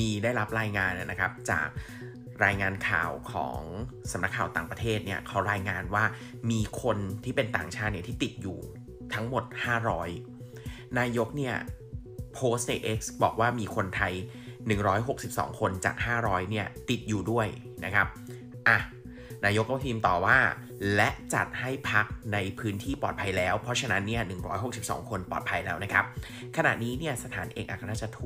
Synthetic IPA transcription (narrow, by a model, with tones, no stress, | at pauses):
miː˧daː˥˩jɾa˦˥p̚ɾaː˧jŋaː˧n˨˩nʔa˦kʰa˦˥p̚t͡ɕa̰ː˨˩k̚ | ɾaː˧jŋaː˧nkʰa̰ː˨˩wkʰɔ̰ː˩˦ŋsa˨˩˦mna˦˥kʰːaː˨˩wt̪aː˨˩ŋpɾa˧t̪ʰeː˥˩t̪̚ni˥˩ɐkʰa˦˥wɾaː˧jŋaː˧nwaː˥˩ | miː˧kʰo˧nt̪ʰiː˥˩pe˧nt̪aː˨˩ŋt͡ɕʰaː˥˩t̪̚ni˥˩t̪ʰiː˥˩t̪i˨˩t̪̚juː˨˩ | t̪ʰa˦˥ŋmo˨˩t̪̚haː˥˩ɾɔː˦˥j | naː˧jo˦˥k̚ni˥˩ɐpʰoː˦˥st̪̚na˧jʔe˦˥k̚sbɔ̰ː˨˩k̚waː˥˩miː˧kʰo˧nt̪ʰa˧j | nɯ˨˩ŋɾɔː˦˥jɦo˨˩k̚si˨˩p̚sɔ̰ː˩˦ŋkʰo˧nt͡ɕa̰ː˨˩k̚haː˥˩ɾɔː˦˥jni˥˩ɐt̪i˨˩t̪̚juː˨˩du˥˩əj | na̰˦˥kʰa˦˥p̚ | ʔa˨˩ | naː˧jo˦˥kːɔː˥˩t̪ʰiː˧mt̪ɔː˨˩waː˥˩ | lɛ˦˥ʔt͡ɕa̰˨˩t̪̚ha˥˩jpʰa˦˥k̚na˧jpʰɯː˦˥nt̪ʰiː˥˩pɔː˨˩t̪̚pʰa˧jlɛː˦˥wpʰɾɔ˦˥t͡ɕʰa˧na˦˥nːi˥˩ɐnɯ˨˩ŋɾɔː˦˥jɦo˨˩k̚si˨˩p̚sɔ̰ː˩˦ŋkʰo˧npɔ̰ː˨˩t̪̚pʰa˧jlɛː˦˥wna˦˥kʰɾa˦˥p̚ | kʰa˧na̰˨˩t̪niː˦˥ni˥˩ɐsa˧t̪ʰa̰ː˩˦nʔḛː˧ŋʔaː˨˩ka˧˩naː˥˩t͡ɕa˨˩t̪ʰu˨˩